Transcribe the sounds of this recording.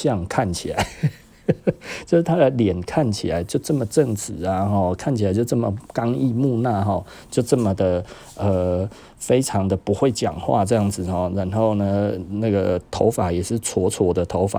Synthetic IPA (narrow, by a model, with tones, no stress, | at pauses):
ɕjɑ˥˨ŋkʰa˥˨nt͡ɕʰi˨la˨˦ɪ | t͡ɕjo˥˧ʊʂ̩˥˩t̪ʰa˥d̪ə˨ljɛ˨˩nkʰa˥˩nt͡ɕʰi˨˩la˨˦ɪt͡ɕjo˥˧ʊʈ͡ʂə˥˨mə˩ʈ͡ʂə˥˩ŋt͡sɹ̩˨˩˦a˨xɔ˥˩kʰa˥˨nt͡ɕʰi˨˩a˨˦ɪt͡ɕjo˥˧ʊʈ͡ʂə˥˩mə˨˩kɑ˦ŋi˥˧mu˥˧na˥˨˩xɔ˥˩ | t͡ɕjo˥˧ʊʈ͡ʂɤə˥˩mə˨d̪ə˩ | ə˨ | fe˥ɪʈ͡ʂʰɑ˨˦ŋd̪ə˨pu˧˥xwe˥˩ɪt͡ɕjɑ̰˨˩ŋxwa̰˥˧ʈ͡ʂɤ˥˧jɑ˥˩ŋd͡zɹ̩˨hɔ˥˩ɻa˧˦˥nxo˥˩ʊnə˨na˥˩ɡə˩t̪ʰo˧˥ʊfa˨˦jɛ˨˩ʂɻ̩˥˩t͡sʰwɔ˧˥t͡sʰwɔ˧˥d̪ə˨t̪ʰo˧˥ʊfa̰˨˩˦